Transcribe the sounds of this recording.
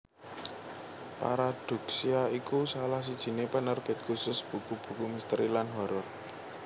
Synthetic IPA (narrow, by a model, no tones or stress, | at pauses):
pa̰ɾad̪̥ṳk̚siaikusalahsid̥ʒ̥i̤nepɛnərb̥e̤t̪̚kusʊsb̥ṳkub̥ṳkumist̪ɾilanɦɔɾɔr